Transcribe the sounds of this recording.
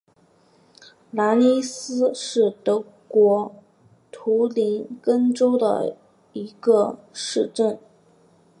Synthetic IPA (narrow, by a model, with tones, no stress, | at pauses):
la˧˥ni˥sɹ̩˥ʂɻ̩˥˩t̪ɤ˧˥ | kwɔ˧˥ | t̪ʰu˧˥li˧˥nkə˥nʈ͡ʂo˥ʊd̪ə̰˨˩ | i˧˥ɡə˧ʂɻ̩˥˧ʈ͡ʂə˥˩n